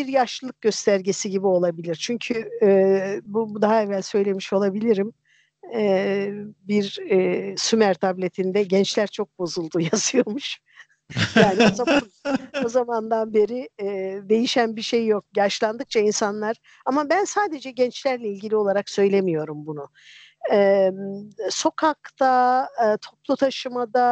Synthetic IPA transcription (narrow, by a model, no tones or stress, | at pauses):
biɾjaʃllˠɯk̚ɟø̞st̪ʰæɾɟesiɟibio̞lˠabilʲiɾt͡ʃʰyɲcʰy | bud̪aɦaɛvælʲsø̞jlʲe̞miʃo̞lˠabilʲiɾim | ɛ | biɾ | symæɾt̪ʰablʲe̞t̪ʰind̪ɛɟɛnt͡ʃlʲæɾt͡ʃʰo̞k̚bo̞zulˠd̪ujazɯjo̞ɾmuʃ | jaːniozaaao̞zamand̪anbe̞ɾid̪e̞jiʃænbiʃejːo̞k̚jaʃlˠand̪ɯk̚t͡ʃʰainsanlˠaɾ̥ | amabænsaːd̪e̞d͡ʒɛɟɛnt͡ʃlʲæɾlʲɛilʲɟilʲio̞lˠaɾaksø̞jlʲemijo̞ɾumbunʊ | ɛ | so̞kʰak̚t̪ʰat̪ʰo̞plˠut̪ʰaʃɯmad̪a